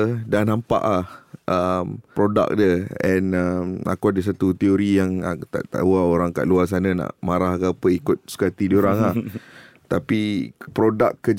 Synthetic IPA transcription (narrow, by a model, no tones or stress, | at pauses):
dahnampa̰ʔlahʔəmpɾoda̰k̚dəɛnəma̰kuadəs̬at̪ut̪ioɾijaŋat̪a̰ʔt̪a̰waoɾaŋka̰ʔluas̬anãnã̰ʔmaɾaɦkapəikʊt̪̚sə̥kat̪idioɾaŋaht̪apipɾodakːəd͡ʒ